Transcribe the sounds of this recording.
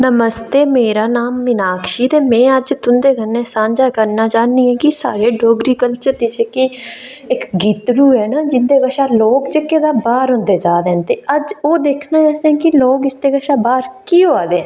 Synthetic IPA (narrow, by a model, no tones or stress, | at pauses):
nəməst̪eːmeːɾaːnaːmːɪnaːkʰʃiːt̪eːmɛ̃ːəd͡ʒt̪ʊnd̪eːɡənːẽːsãːɲd͡ʒaːkəɾnaːt͡ʃaːniːɛ̃ːkɪsa̰ːɾeːɖoːɡɾiːkəlt͡ʃəɾd̪iːt͡ʃeːki | ɪkɡiːt̪ɾuːɛːnaːd͡ʒɪnd̪eːɡəʃaːloːkt͡ʃəkːeːd̪aːbaːɾɦʊ̃nd̪eːd͡ʒaːd̪ẽːnt̪eːəd͡ʒoːd̪eːkʰnaːɛːsɛ̃ːkɪloːkɪst̪eːɡəʃaːbaːɾkiːɦoːaːd̪eːɛː